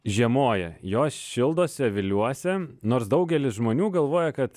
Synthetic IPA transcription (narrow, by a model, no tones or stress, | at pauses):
ʒʲiɛmoːjɛjoːsʃʲɪlˠd̪oːsʲɛʋʲɪlʲuɔsʲɛnoːɾsd̪ɐʊɡʲɛlʲɪsʒmoːnʲuːɡɐlˠʋoːjɛkɐt̪